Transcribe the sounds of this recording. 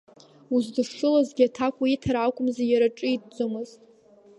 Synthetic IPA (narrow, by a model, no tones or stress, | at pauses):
uzdɨʂʂɨlazɡʲɪatʰakʷʼaitʰaɾakʷʼʊmzajaɾaʈ͡ʂʼɨid̚d͡zʷomɨztʼ